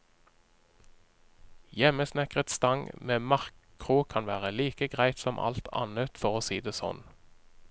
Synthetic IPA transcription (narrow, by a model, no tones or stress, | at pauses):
jɛməsnɛkʁət̪st̪ɑŋmeːmɑʁkʰ | ʁukʰɑnʋæːʁəliːkəɡʁæɪt̪sɔmʔɑ̰lt̪ʰɑ̰nət̪fɔʁoːsiːd̪eːsɔ̰n